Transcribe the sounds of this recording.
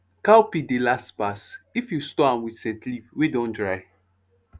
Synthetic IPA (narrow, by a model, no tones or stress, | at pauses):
kawpidelaspasifjustɔãnwidsɛ̃tlivwidõndɹaɪ